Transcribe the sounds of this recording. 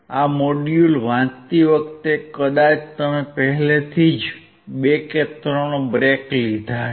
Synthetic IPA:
amoɖjulʋãt̪iʋəkt̪ekəd̪at͡ʃt̪əmepəɦɛlet̪ʰid͡ʒ | beket̪ɾonobɾeklid̪ʱa

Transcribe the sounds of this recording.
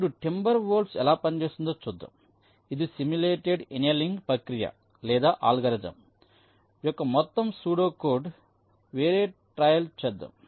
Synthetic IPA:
ɽuʈimbɐɾʋoːlsɛlaːpɐnit͡ʃeːsind̪oːt͡ʃud̪ːɐ̰ | id̪isimuleːʈeɖenjɐliŋɡpɐkɾijɐ̰ | lɛːd̪aːʔa̰ːlɡɐɾɐd͡ʒɐ̰m | jɔkːɐmɔt̪ːɐmsuːɽoːkoːɾɖ | ʋeːɾeːʈɾaːjɐlt͡ʃɛd̪ːɐ̰

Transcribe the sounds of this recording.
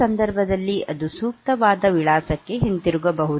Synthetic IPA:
ɐnd̪ɐɾbʱɐd̪ɐlːiʔɐd̪usuːk̚t̪ɐʋaːd̪ɐʋiɭaːsɐkːe̞ɦint̪iɾuɡɐbɐɦu

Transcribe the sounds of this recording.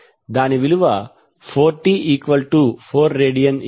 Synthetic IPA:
d̪aːniʋiluʋɐ | foːɾʈːiʔiːkʋɐlʈufoːɾːeːɖijɐ̃n

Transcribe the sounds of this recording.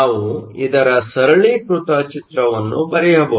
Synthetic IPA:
aːʋuid̪ɐɾɐsɐɾɐɭiːpɾut̪ɐt͡ʃit̪ɾɐʋɐnːṵbɐɾɛjɐbɐ

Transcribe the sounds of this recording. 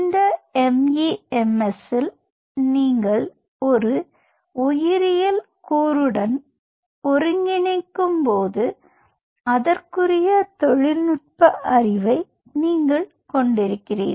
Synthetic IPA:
ɪnd̪ɐɛmjiɛmɛsɪl | niːŋɡɐɭ | ɔɾɯ | ʊjɪɾɪjɐl | kuːɾɯɽɐn | ɔɾɯŋɡɪnɐɪkːɯmpoːðɯ | ɐðɐrkɯrɪjɐt̪ɔɻɪlnʊʈ̚pɐʔɐrɪʋɐɪ | niːŋɡɐɭ | kɔɳɖɪɾɯkːɪrḭːn

